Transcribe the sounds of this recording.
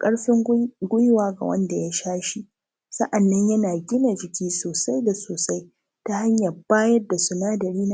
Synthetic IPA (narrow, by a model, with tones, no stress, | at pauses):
kʼɐ˦ɽɸɪ˦ŋɡʷʊ˦jwaː˦ɡa̰˨wɐ̰˦nda˨ja˦ʃaː˦ʃi˦ | sɐ˦ʔa˨nːɐ˦ɲjɐ˦naː˨ɡʲɪ˦na˨d͡ʒɪ˨kʲiː˦soː˨sa˦jda˨soː˨sa˦j | ta˦ha˦ɲjɐ˨rbaː˦jɐ˦dːa˨sʊ˦naː˦dɐ˨ɾiː˦na˦